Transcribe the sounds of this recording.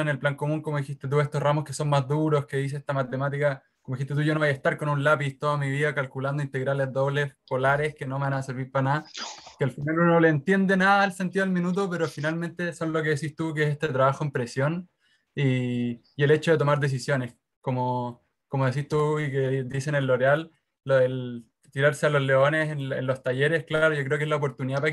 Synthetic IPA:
ene̞lplaŋko̞muŋkomoðixist̪et̪̬ue̞st̪osramoske̞so̞nmazðuɾo̞ske̞ðiseet̪amat̪e̞mat̪̬ika | komoixit̪et̪uʝonoβajaest̪aɾko̞nunlapist̪oðamiβiðakalkuland̪oint̪e̞ɣɾalezðo̞βle̞sko̞laɾe̞ske̞nomanaseɾβiɾpanaðakealfinalunoleːnt̪je̞nd̪e̞naðaelse̞nt̪iðoalminut̪̬ope̞ɾofinalme̞nt̪e̞so̞nlok̬e̞ðesist̪uk̬eesest̪et̪ɾaβaxoempɾe̞sjo̞n | i | jele̞t͡ʃoðet̪o̞maɾðe̞s̬isjo̞ne̞s | komo | komoðes̬ist̪uiked̪isenenlːo̞ɾealː | oðel | t̪iɾaɾse̞alo̞zle̞o̞ne̞senḛnlo̞st̪aje̞ɾehklaaɾoʝo̞k̬ɾeokezlaopo̞ɾt̪uniðapa

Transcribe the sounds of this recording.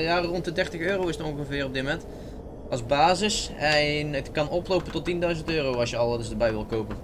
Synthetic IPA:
jaːrɔntədɛrtəxøːrowɪsətoŋɣəvɪːrɔb̚dɪmomɛnt | ɑzbaːzɪsɛnətkɑnɔplowpəntɔtindœɥzəntøːrowɑsjəɑlˠdəsdəbɛjʋɪlˠkowpə

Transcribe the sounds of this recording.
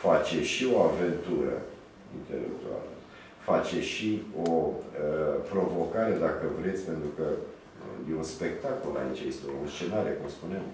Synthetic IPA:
fat͡ʃe̞ʃio̞ave̞nt̪uɾə̰ | ḭnt̪e̞̰lḛk̚t̪ua̰lə | fat͡ʃe̞ʃioəpɾo̞vo̞kaɾe̞d̪akəvɾe̞t̪sʲpe̞nt̪ɾukə | jeunspe̞kt̪ako̞la̰it͡ʃajest̪ounst͡ʃe̞naɾe̞kumspuneem

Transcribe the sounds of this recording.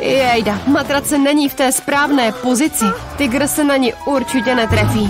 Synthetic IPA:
jɛjdamat̪ɾat͡sɛnɛɲiːft̪ɛːspɾaːvnɛːpo̞zɪt͡sɪt̪ɪɡɾ̩sɛnaɲɪʔuɾt͡ʃɪcɛnɛt̪ɾafiː

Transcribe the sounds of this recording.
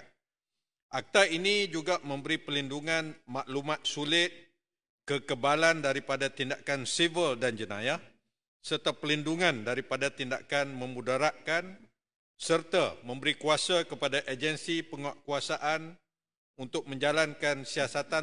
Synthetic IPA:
ʔak̚t̪ainid͡ʒuɡamə̃mbəɾipəlinduŋãnmaʔlumat̪̚sulɪt̪̚ | kəkəbalandaɾipadat̪indakansivəldand͡ʒənã̰ja | sərt̪apəlinduŋãndaɾipadat̪indakanmə̃mudaɾaʔkan | sərt̪amə̃mbəɾikuasakəpadaʔed͡ʒənsipəŋaʔkuasaʔan | unt̪ʊk̚mə̃ɲd͡ʒalankansiasat̪a

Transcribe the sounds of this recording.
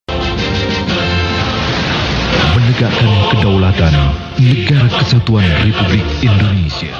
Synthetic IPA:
mənəɡaʔkankədawlat̪anː | əɡaɾakəsat̪uanrepublɪk̚indonesia

